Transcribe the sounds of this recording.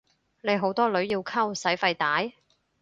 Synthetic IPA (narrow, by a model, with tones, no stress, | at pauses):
ne˨˧jɦo˨˥wt̪ɔː˥lɵ˨˥ɥjiː˧wkʰɐ˥wsɐ˨˥jfɐ˧jt̪aː˨˥j